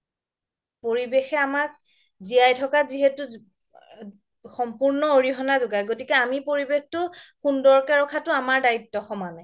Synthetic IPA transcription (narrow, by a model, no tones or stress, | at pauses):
poɹibexɛamak̚ | zijajtʰɔkaziɦetʊ | xɔmpuɹnɔoɹiɦɔnazʊɡajɡotikɛamipoɹibextʊxundɔɹkɛɹɔkʰatʊamaɹdaitːɔxɔmanaj